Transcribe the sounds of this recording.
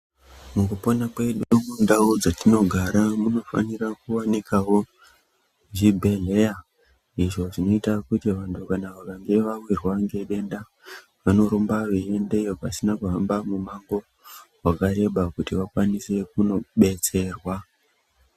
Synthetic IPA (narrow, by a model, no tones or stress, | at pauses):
mukupo̞nakwe̞ɗumundaud͡zatino̞ɡʱaɾamuno̞fa̰nirakuwanikʰawo | ʐibʱe̞ɮe̞ja | iʐo̞ʐino̞itakutiʋantukanaʋakaŋɡe̞ʋawirwaŋɡe̞ɗe̞nda | ʋano̞ɾombaʋeendejokasinakuɦambamumaŋɡo̞ | wakaɾe̞ɓakutiʋakwanise̞kuno̞ɓe̞t͡se̞rwa